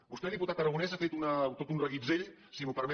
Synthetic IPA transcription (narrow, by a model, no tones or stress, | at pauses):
bust̪ɛðiput̪at̪əɾəɣunɛzafet̪unət̪ot̪unrəɣid͡zeʎ | simupəɾmɛ